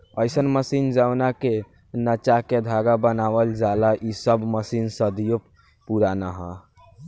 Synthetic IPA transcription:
əɪsənməsind͡ʒawnake | nət͡ʃaked̪ʱaɡabənaʋəld͡ʒalaʔisəbməsinsəd̪ijo | puɾanaɦə

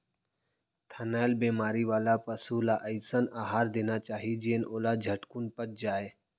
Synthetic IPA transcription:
t̪ʰənaːjlbeːmaːɾiʋaːlapəsulaʔəɪsənaːɦaːɾd̪eːnat͡ʃaːɦid͡ʒeːnoːlad͡ʒʱəʈkunpət͡ʃd͡ʒaːeː

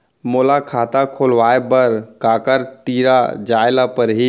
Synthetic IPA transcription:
moːlakʰaːt̪akʰoːlʋaːebəɾkaːkəɾt̪iːɾad͡ʒaːɪlapəɾɦi

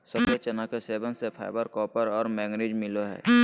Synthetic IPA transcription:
səket͡ʃənakeseːbənsepʰa̰ɪbəɾkɔːpəɾɔːɾmɛːɡɾeːd͡ʒmɪloɦɛ̰ː

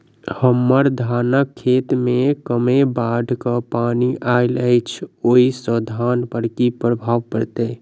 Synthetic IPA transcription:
həmːəɾd̪ʱaːnəkʰːeːt̪mẽkəmebaːɖʱkapaːniʔaːɪləɪt͡ʃʰoːisəd̪ʱaːnpəɾkipɾəbʱaːʋpəɾt̪eː

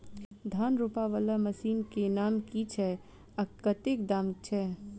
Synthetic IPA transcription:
d̪ʱaːnɾupaʋələmɐsiːnkenaːmkit͡ʃʰɛ | ɐkːət̪ekd̪aːmt͡ʃʰɛ

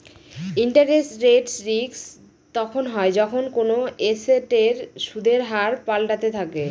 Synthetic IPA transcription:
iɳʈaɾesʈɾeʈsɾiks | t̪ɔkʰonɦɔed͡ʑɔkʰonkonoeseʈeɾʃud̪ʱeɾɦaɾpalɖat̪et̪ʰake

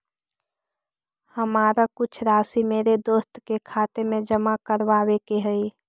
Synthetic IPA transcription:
həmaːɾakʊt͡ʃʰɾaːsimeːɾed̪oːst̪kekʰaːt̪emẽd͡ʒəmakəɾʋaːwekeɦəi

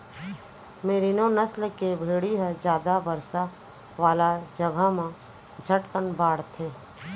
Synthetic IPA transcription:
meːɾinõːnəslkebʱeːɽiɦɛd͡ʒjaːd̪abəɾsa | ʋaːlad͡ʒəɡʱamẽ | d͡ʒʱəʈkənbaːɽt̪ʰeː

